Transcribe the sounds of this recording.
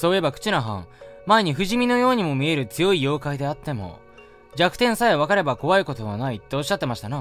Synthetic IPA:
so̞ːje̞bakɯ̟̥t͡ɕinɾaɦã̰ŋmae̞ɲ̟iɸɯ̟ʑimʲino̞jo̞ːɲ̟imo̞mʲie̞ɾɯ̟t͡sɨjo̞ijo̞ːkaid̪e̞at̪ːe̞mo̞̰ | d͡ʑakɯ̟̥t̪ẽ̞ɰ̃saeβakaɾe̞bako̞βaiko̞t̪o̞βanait̪ːe̞o̞ɕːat̪ːe̞maɕi̥t̪ana

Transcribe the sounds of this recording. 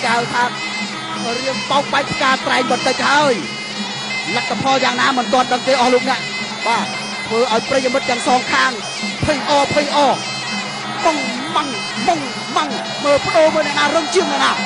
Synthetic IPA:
khawt̪ʰaː | k̪ɔriəŋpaɔŋ̚ɓaɛk̚pʰkaːt̪raɛŋɓɑnt̪ɨc̚haəj | lat̪ʰːapʰɑljaːŋnaːmɨnt̪ŏənɗəŋkeːʔɑhloːk̚nɛ̆əʔ | ɓaː | t̪ʰʋəːʔaɔjprəjimɨt̪̚t̪ːɛ̆əŋsɑːŋkʰaːŋ | pʰɨjʔɑːpʰəjʔɑː | moŋ | maŋ | moŋ | maŋ | məːpə̆ɗoːlməːnɛʔnaːrɨŋt͡ɕiəŋnɛ̆əʔnaː

